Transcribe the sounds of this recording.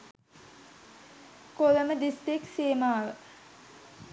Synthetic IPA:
koləməd̪ist̪ikseːmaːʋə

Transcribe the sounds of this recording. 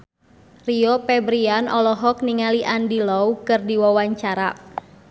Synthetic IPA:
riɔpɛbɾianʔɔlɔɦɔk̚niŋaliʔandilɔwkɨrdiwawaɲt͡ʃaɾa

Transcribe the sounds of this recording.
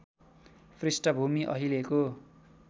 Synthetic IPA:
pʰrisʈʌbʱumiʔʌ̰ɦileko

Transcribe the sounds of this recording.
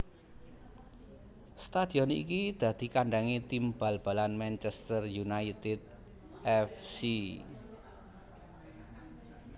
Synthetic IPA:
st̪ad̪̥i̤ɔnḭk̬id̪̥a̤d̪̥i̤kaɳɖaŋit̪imbalb̥a̤lanmɛnt͡ʃɛst̪ərjunait̪ɪd̪̚ | ʔɛfsi

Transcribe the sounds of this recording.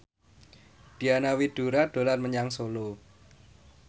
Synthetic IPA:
d̥i̤anawid̥ṳɾaɖ̪̥o̤larməɲaŋsolo

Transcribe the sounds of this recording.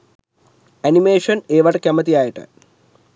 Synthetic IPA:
ɐnimeːʂɐneːʋɐʈɐkʲːɐmɐt̪̬ijaːjiʈːɨ̰

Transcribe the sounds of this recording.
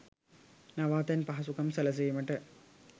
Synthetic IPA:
nɐʋaːt̪ːɐnpɐɦɐsukɐmsɐlɐs̬ejumɐʈːɨ

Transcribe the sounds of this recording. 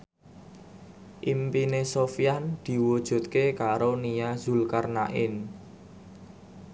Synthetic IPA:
ʔimpinesofijand̪̥i̤wud̥ʒ̥ṳt̪̚kekaɾonijazṳlkarna̰ʔɪ̰n

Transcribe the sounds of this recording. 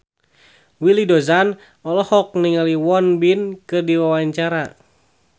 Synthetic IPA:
wilidɔzan | ɔlɔhɔk̚niŋaliwɔnbinkɨrdiwawaɲt͡ʃaɾa

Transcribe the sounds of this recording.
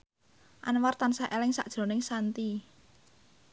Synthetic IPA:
ʔanwart̪ansaʔelɪŋsa̰ʔd̥ʒ̥ɾo̤nɪŋsant̪i

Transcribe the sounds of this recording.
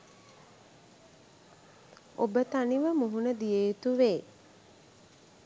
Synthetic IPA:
obət̪aniʋəmuɦunəd̪ijejt̪uʋeː

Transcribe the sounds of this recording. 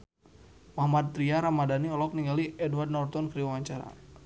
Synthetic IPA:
mahmad̪̚t̪ɾiaɾamadaniɔlɔk̚niŋɡaliɛdward̚nɔrt̪ɔnkɾiwawaɲt͡ʃaɾa̰

